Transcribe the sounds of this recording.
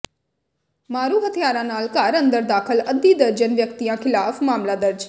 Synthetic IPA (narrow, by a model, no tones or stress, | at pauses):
maːɾuːɦət̪ʰijaːɾãnaːlkaːɾə̃nd̪əɾd̪aːkʰəlɐd̪iːd̪əɾd͡ʒənʋjəkt̪ijãkʰɪlaːfmaːmlad̪əɾd͡ʒ